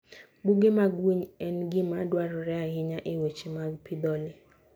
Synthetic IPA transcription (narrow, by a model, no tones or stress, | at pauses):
buɡemaɡwiɲɛnɡɪmadwaɾɔɾɛaɦɪɲaʔewet͡ʃimaɡpʰɪd̪ɔlɪ